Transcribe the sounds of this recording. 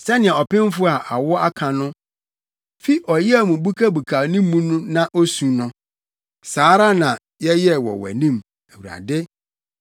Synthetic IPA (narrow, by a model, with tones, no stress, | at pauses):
sɛ˦nɪ̃˨ɛ˨ɔ˨pɪ̃˦m˦fʊ˦a˨ʔa˨wɔ˦a˦kʰã˨nʊ̃˦ | fi˦ʔɔ˨jɛ˦æ˦mũ˨bu˦kʰa˦bu˨kʰaː˨nĩ˦mː˦ũ˦nʊ̃˦nã˦ʔo˦sũ˨nʊ̃˦ | saː˨˦ɾa˦nã˨ | jɛ˦jɛ˦wɔ̰˨wæ̰˨nĩ˦m | æ˨wu˨ɾa̰˨dɪ˦